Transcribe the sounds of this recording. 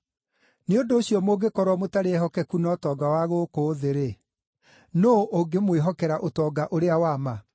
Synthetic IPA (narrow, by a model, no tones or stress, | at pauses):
neondoːɕiɔmoːɡekɔɾwɔmotaɾeɛɦɔkɛkunɔtɔːɡawaɣokoːðeɾe | noʔoɡemweɦɔkɛɾaʔotɔːɡaʔoɾeawama